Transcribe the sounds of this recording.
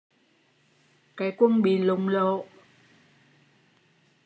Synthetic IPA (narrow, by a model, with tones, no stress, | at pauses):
kaː˨˦jkwə˧ŋɓḭ˧˨lʊ˨ŋ͡mlo̰˧˨